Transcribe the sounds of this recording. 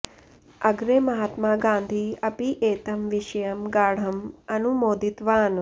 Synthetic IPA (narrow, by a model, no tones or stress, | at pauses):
ɐɡɾemɐɦaːt̪maːɡãːnd̪ʱiɐpiʔeːt̪ɐmʋiʃɐjɐmɡaːɽ̤ɐmɐnumoːd̪it̪ʋaːn